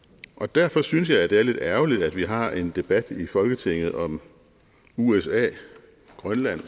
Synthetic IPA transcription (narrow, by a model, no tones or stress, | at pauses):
ʔɒ̽d̥æɐfɒ̽syns̬jɑ̈ɪæd̥e̝æɐle̝d̥æɐʊlid̥æd̥ʋiɦɑ̈e̝nd̥e̝b̥æd̥ifɒ̽lɡ̥ət͡sʰe̝ŋ̰ð̞̩ˠɒ̽m | uesɛ̰ː | ɡ̥ʁɶnlæn̰